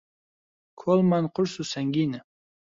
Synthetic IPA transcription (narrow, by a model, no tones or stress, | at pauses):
kʰolˠmanqʰʊɾsusaŋɡinə